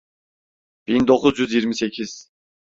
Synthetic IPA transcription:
b̥ind̪oqʊzjyzjiɾmɪsekʲʰiz̥

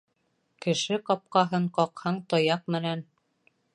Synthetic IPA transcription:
kɘ̆ʃɘqɑp̚qɑɦɤɴqɑqhɑɴt̪ɑjɑq̚mɘ̆næn

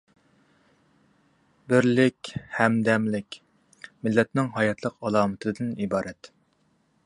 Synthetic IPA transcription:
bɪɾlɪkʲhɛmd̪ɛmlɪkʲ | mɪlːɛt̪nɪŋɦɑjɛt̪ʰlˠəqɑlˠɑːmɨt̪ʰɨd̪ɨnibɑːɾʔɛt̪

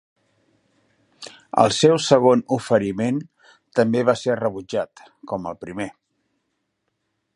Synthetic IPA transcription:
ə̰lˠsɛwsəɣ̞onufəɾimen | t̪əmbeβaserəβud͡ʒat̪ | kɔməlˠpɾime

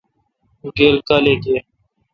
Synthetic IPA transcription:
ɡeːlkaleke

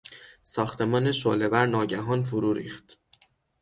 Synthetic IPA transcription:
sɒːxt̪ʰe̞mɒːneʃo̰ːle̞bæɾnɒːɟæɦɒːnfoɾuːɾḭːxt̪

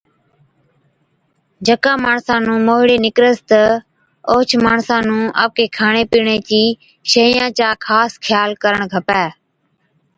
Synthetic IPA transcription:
d͡ʒəkãːmaːɳsãːnũːmoːɦɽeːnɪkɾəst̪ə | oːt͡ʃʰmaːɳsãːnũːʔə̰ʋ̚keːkʰaːɳeːpiːɳeːt͡ʃiː | ʃeːɪjãːt͡ʃaːkʰaːskʰjaːlkəɾəɳɡʱəpɛː

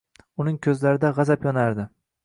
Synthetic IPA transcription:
ʊnɪŋkʲʰɵzlaɾɪd̪aʁɑzapjɒnaɾd̪ɪ

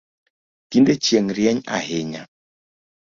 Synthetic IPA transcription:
kindet͡ʃjeŋɾjɛɲa̰heɲa

